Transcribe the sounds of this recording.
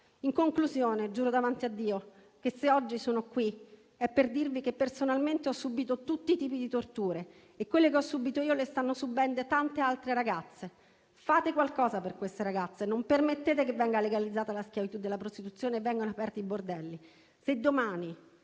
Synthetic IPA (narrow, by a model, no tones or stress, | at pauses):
iŋkoŋkluzjoːned͡ʒuːɾod̪avant̪iad̪ːiːo | k̟eseɔd͡ʒːisoːnokwi | ɛpːerd̪irvikepːersonalment̪eɔsːubiːt̪ot̪ut̪ːit̪iːpid̪it̪ort̪uːɾe | ekːwelːekeɔsːubiːt̪oiːolest̪anːosubɛnd̪ot̪ant̪ealt̪ɾeɾaɡat̪sːe | faːt̪ekwalkɔːzaperkwest̪eɾaɡat̪sːenompermet̪ːeːt̪ekevːɛŋɡaleɡalid̪zːaːt̪alaskjavit̪ud̪ːelːapɾost̪it̪ut̪sːjoːnevɛŋɡonoapɛrt̪iibord̪ɛlːi | sed̪ːomaːni